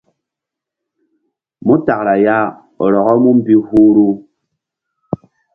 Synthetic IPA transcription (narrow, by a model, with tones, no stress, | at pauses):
mu˦ta˨kɾa˨ja˦ | ɔ̰˨ɾɔ˨ɣɔ˦mu˦m̩˦bi˦hu˦ɾu˦